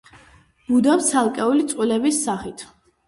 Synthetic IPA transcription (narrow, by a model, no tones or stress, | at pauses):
b̥ud̪aft̪sʰalˠkʼɛulit̪sʼqʼwilɛbisːaχit̪ʰ